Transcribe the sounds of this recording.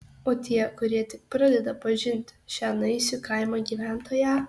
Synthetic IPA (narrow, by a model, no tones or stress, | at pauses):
oːt̪ʲiɛkʊɾʲiɛt̪ʲɪk̚pɾɐd̪ʲɛd̪ɐpɐʒʲɪnʲt̪ʲʃʲæːnɐɪsʲʊkɐˑɪmɑɡʲiːʋʲæˑnt̪oːjæː